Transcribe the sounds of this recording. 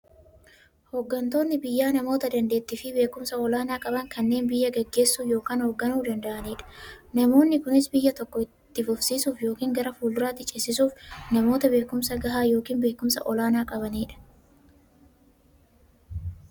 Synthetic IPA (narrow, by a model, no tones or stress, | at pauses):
hoɡːɐnt̪o̞ːnːɪbɪjːaːnɐmo̞ːt̪ɐd̪ɐnd̪e̞ːt̪ːɪfɪbe̞ːkʊmsɐɔlaːnaːkʼɐbɐŋkɐnːe̞ːnbɪjːɐɡɐɡːe̞ːsːuːjo̞ːkaːnhoɡːɐnuːd̪ɐnd̪ɐʔɐniːᶑɐ̥nɐmo̞ːnːɪkʊnɪsbɪjːɐt̪ɔkːɔɪt̪ːɪfʊfsiːsuːfjo̞ːkiːŋɡɐɾɐfuːld̪ʊɾaːt̪ːɪt͡ʃʼɪsɪs̬uːfnɐmo̞ːt̪ɐbe̞ːkʊmsɐɡɐɦaːjo̞ːkiːnbe̞ːkʊmsɐ̰ʔɔlaːnaːkʼɐβɐniːᶑɐ̥